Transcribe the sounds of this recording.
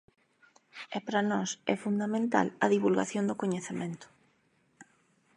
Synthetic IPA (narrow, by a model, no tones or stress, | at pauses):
ɛpɾanɔsɛ̰fund̪amẽnt̪a̰lɐðiβulɣa̰θjond̪ʊkoɲeθemẽnt̪ʊ̥